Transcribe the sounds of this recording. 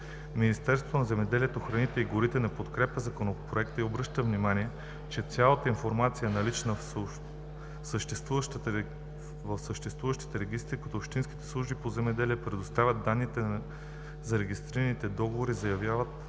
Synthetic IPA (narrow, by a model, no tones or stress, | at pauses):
minist̪ɛɾst̪vot̪onɐzɛmɛd̪ɛliɛt̪oxɾɐnit̪ɛiɡoɾit̪ɛnɐpot̪kɾɛpəzɐkonopɾoɛkt̪əiobɾɤʃt̪əvnimaniɛ | t͡ʃɛt̪sʲalˠət̪əinfoɾmat̪sijənɐlit͡ʃnə | səʃt̪ɛst̪vuvt̪ | vəfsəʃt̪ɛst̪vuvəʃt̪i̥t̪ɛɾɛɡ̟ʲist̪ɾikɐt̪oːpʃt̪insk̟i̥t̪ɛ̥slˠuʒbipozɛmɛd̪ɛliəpɾɛd̪ost̪avʲɐd̪d̪anːit̪ɛ | zɐɾɛɡʲist̪ɾiɾɐnit̪ɛd̪ɔɡovoɾizɐjɐvjavət̪̚